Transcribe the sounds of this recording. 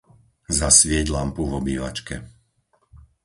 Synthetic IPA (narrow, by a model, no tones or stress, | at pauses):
zasʋɪɛɟlampuʋɔbiːʋa̰t͡ʃkɛ